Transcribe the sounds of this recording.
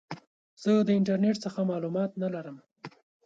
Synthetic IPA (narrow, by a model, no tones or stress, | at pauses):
z̥əd̪əɪɳʈaɾneʈsəxamɑlumɑt̪nalaɾəm